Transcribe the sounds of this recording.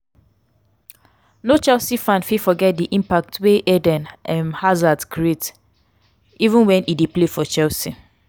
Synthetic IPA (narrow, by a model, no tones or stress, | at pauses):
not͡ʃɛlsifãnfifɔɡɛt̚diʔĩmpak̚tʰweʔɛdɛ̃nʔɛmhazadkʰɹiet | ivũnwɛ̃nideplefɔt͡ʃɛlsi